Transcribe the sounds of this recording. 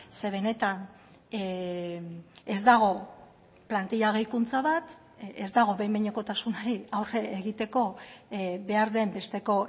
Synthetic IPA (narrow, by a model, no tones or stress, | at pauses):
se̞βe̞ne̞t̪an | ezd̪aɣ̞o̞ | plant̪iʎaɣejkunt͡saβat̪ | ezd̪aɣ̞o̞βejmeɲoko̞t̪asunaɾiawre̞eɣit̪e̞ko̞ | be̞aɾðe̞mbe̞st̪e̞ko̞